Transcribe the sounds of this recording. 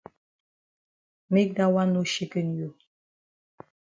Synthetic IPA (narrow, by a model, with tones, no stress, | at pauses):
mi˦k̚da˦wa˦no˦ʃe˦kə˦n˨jo˨